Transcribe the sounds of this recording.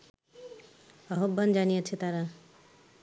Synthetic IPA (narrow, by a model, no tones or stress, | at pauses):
aɦobʱːand͡ʑanijet͡ɕʰet̪aɾa